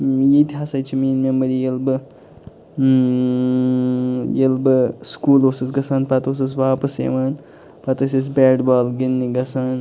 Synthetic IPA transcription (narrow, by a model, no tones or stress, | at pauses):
jit̪iɦɐsɐjt͡ʃʰimiːnmemɐɾijelbɨ | jelbɨskuːloːsɨsɡɐsaːnpɐt̪oːs̬ɨsʋaːpɐsḛʋaːn | pɐt̪ɐsis̬bʲɛːɖbaːlɡinːiɡɐsaːn